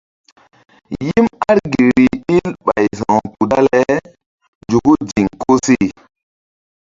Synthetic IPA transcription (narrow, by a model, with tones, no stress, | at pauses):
ji˦ma˦ɾɡe˨ɾi˨ɗi˦lɓa̰˨jzã˨pu˨ɗa˦lɛ˦ | d͡ʒu˨ku˦d͡ʒi˨ŋko˦si˦˨